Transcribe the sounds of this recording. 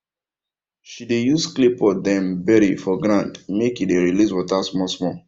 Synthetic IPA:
ʃidejusklipɔdɛ̃mbɛɾifɔɡɾãndmekideɹiliswɔtasmɔsmɔ

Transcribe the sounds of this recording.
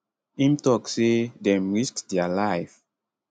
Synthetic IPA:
ĩmtɔksedɛ̃mɹiskdɛalajf

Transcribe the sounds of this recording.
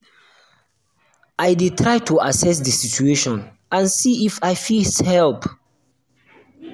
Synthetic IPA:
ajditʰɹajtuasɛs̬disit͡ʃueʃɔ̃n | ãnsiifajfishɛlp

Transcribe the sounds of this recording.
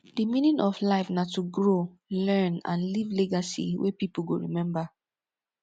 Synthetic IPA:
d̥imĩnĩnʔɔflaɪfnatuɡɹo | lɛ̃nã̰nlivleɡasḭwepipl̩ɡoɹimɛ̃mba

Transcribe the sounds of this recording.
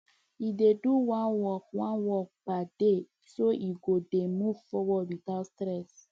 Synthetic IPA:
ideduwãnwɔk̚wãnwɔk̚pade | soiɡodemuv̥fɔwɔdwitatstɾɛs

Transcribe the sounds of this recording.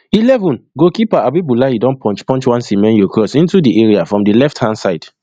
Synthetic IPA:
ilɛvɔ̃nɡokipaabibulaidɔ̃npʰɔ̃nt͡ʃpɔ̃nt͡ʃwãnsĩmɛ̃njokʰɹɔsĩntudiʔeɹiafɹɔ̃mdilɛfthãnsaɪd̥

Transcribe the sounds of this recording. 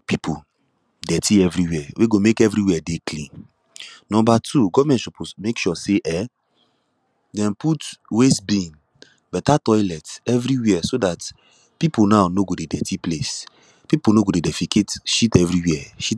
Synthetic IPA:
pipʰu | dɛtʰiɛvɹiwɛweɡomekɛvɹɾiwɛdeklĩn | nɔ̃mbatʰuɡɔvamɛ̃ntʃɔpomekʃɔseʔɛ | dɛ̃nputwesbĩn | bɛtatɔɪlɛtɛvɹiwɛɛsodat | pipunaʊnoɡodedɛtiples | pipunoɡodedɛfikʰetʃitɛvɹiwɛɛʃi

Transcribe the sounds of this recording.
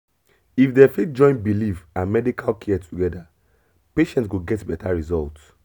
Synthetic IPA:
ifdɛfit̚d͡ʒɔ̃ɪ̃n̚bilifãnmɛdikʰalkʰiɛtʰuɡɛda | peʃɛ̃ntwuɡɛtbɛtaɹizɔlt

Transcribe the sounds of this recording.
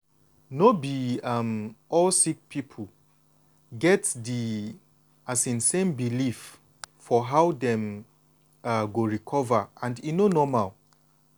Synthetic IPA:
nobiamɔlsik̚pʰipʰul | ɡɛtdi | asĩnsẽmbilif | fɔɦawdɛ̃m | aɡoɹikʰɔvaʔãndinonɔmal

